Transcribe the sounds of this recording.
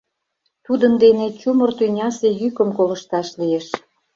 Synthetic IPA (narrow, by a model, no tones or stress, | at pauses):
t̪ud̪ənd̪enet͡ɕumərt̪ynʲɑsejykəmkolə̆ʃt̪ɑʃlieʃ